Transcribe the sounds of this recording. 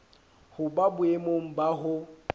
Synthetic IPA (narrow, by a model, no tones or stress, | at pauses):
hʊbabʊemoŋ̩baɦʊ